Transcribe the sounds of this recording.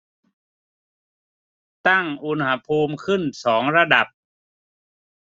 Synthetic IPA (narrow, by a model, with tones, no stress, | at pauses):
t̪a˥˩ŋʔu˧nha˧˥pʰuː˧mkʰɯ˥˩nsɔː˩˦ŋɾa˧da˨˩p̚